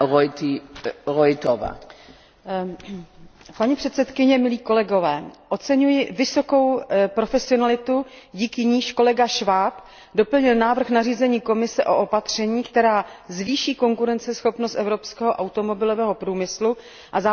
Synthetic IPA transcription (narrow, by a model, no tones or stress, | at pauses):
ojt̪iɾojt̪ova̰ | paɲipr̥ɛt̪sɛt̪kɪɲɛmɪliːko̞lɛɡo̞vɛːʔo̞t͡sɛɲujɪvɪso̞ko̞wpɾo̞fɛsɪonalɪt̪uɟiːkɪɲiːʃko̞lɛɡaʃvaːp | do̞pl̩ɲɪlnaːvr̩xnariːzɛɲiːko̞mɪsɛʔo̞ʔopat̪r̝̥ɛɲiːkt̪ɛɾaːzviːʃiːko̞ŋkuɾɛnt͡sɛsxo̞pnost̪ʔɛvɾo̞pskɛːɦoʔawt̪o̞mo̞bɪlo̞vɛːɦo̞pɾuːmɪslu | ʔaza